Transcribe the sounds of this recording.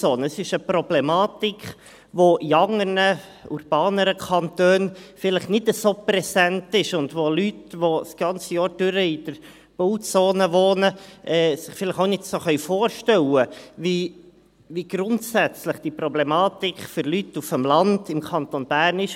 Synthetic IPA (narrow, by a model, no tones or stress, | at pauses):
oːnəəsɪʃəpɾɔblɛmɑːtik | ʋoʔiɑŋəɾnə | ṵɾb̥ɑːnəɾəkʰɑntøːnfɪləχnɪtəsoːpɾɛsæntɪʃʊndʋolytʋosɡ̥ɑnt͡səjɑːɾd̥ʏɾəɪd̥əɾ | b̥oʊtsoːnəʋoːnəʔɛːsɪχfɪləχoʊnɪtsoχœɥfoːɾʃtɛwəvi | ʋiːɡ̥ɾʊntsæt͡sləχd̥iːpɾɔblɛmɑːt̪ikfʏɾlytːufəmlɑndɪmkʰɑnt̪onb̥æːrnɪʃ